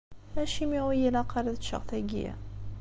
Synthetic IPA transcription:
æʃimiʁijəlɑqɑɾˤðʃə̰ʁθæɡḭæ̰

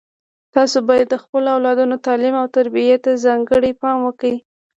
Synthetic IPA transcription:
t̪ɑsobɑjad̪ːəxpəloawlɑd̪unot̪ɑlimawt̪aɾbijat̪azɑŋɡəɽipɑmwəkawi

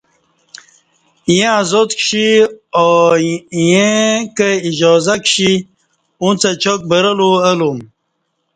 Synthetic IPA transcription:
jẽazot̪kʂio | jẽkəid͡ʑɔzakɕi | ũt͡sat͡ɕok̚bəɾəluəlum

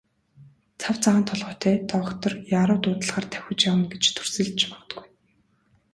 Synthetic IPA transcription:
t͡sʰawt͡saʁə̆nt̪ʰɔɮʁʊːt̪ʰæːt̪ɔɞ̆kt̪ɞ̆rjaːɾʊːt̪ʊːt̪ə̆ɮʁaːrt̪ʰæwxʲɪ̆t͡ɕjawə̆nɡet͡ɕt̪ʰɵ̥rsɘ̆ɮt͡ɕpɔ̆t̪̆ɡuj

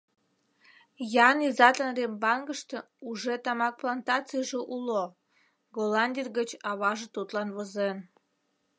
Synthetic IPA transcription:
jɑnizɑt̪ənrembɑnɡəʃt̪ĕ | uʒet̪ɑmɑk̚plɑnt̪ɑt͡sɨjʒeʔulo | ɡolɑnʲdʲirɡət͡ɕɑβɑʒet̪ut̪lɑnβozen

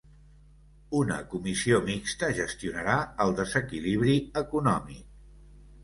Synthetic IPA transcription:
unə̰kumisiomikst̪əʒəst̪iunəɾaəlˠd̪əzəkiliβɾiəkunɔmik̚

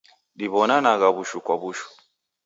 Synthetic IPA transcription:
ɗiβɔnanaɣaβuʃukwaβuʃu̥

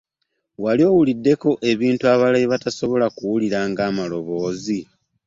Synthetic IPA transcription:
walio̞ːwulidːe̞ko̞ʔe̞βiːntuaβalajiβataso̞βo̞lakuwuliɾaːŋɡaːmalo̞βo̞ːzi

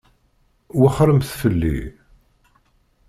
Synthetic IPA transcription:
wəχɾəmθfəlːḭ

